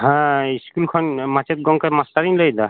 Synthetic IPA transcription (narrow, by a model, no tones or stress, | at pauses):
ɦãiskulkʰɔnmat͡ʃet̪̚ɡɔŋkaɾmasʈaɾinlojd̪a